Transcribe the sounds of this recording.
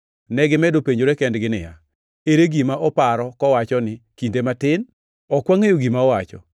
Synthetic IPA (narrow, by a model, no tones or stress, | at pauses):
nɛɡɪmɛdopeɲd͡ʒoɾekɛndɡɪnɪ̰ja̰ | eɾeɡimaʔɔpaɾɔkɔwat͡ʃɔnɪkindematɪn | ɔkwaŋejoɡimaɔwat͡ʃɔ̰